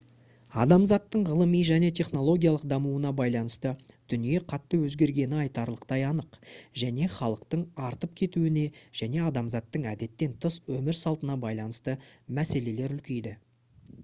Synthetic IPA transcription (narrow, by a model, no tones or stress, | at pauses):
ɑd̪ɑmzɑt̪ːəɴʁəlˠəmijʒæne̞t̪ʰe̞χno̞lˠo̞ɡʲijɑlˠəq̚d̪ɑmuənɑbɑjlˠɑnəst̪əd̪̥ʏnije̞qʰɑt̪ːəwɵzɡʲe̞ɾɡʲe̞nɪɑjt̪ɑɾlˠəqt̪ɑjɑnəqʒæne̞χɑlˠəqt̪əɴɑɾt̪əp̚kʲʰe̞t̪uɪne̞ʒ̥æne̞ɑd̪ɑmzɑt̪ːəɴæd̪e̞t̪ːe̞nt̪ʰəswɵmɪɾsɑlˠt̪ənɑbɑjlˠɑnəst̪əmæse̞le̞le̞ɾʏlkʲe̞jd̪ɪ